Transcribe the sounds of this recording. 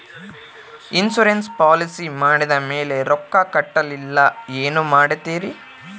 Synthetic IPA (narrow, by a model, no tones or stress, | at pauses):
insuɾenspaːlisimaːɽid̪ɐmeːle̞ɾɔkːɐkɐʈːɐlilːɐeːnumaːɽit̪ːiːɾi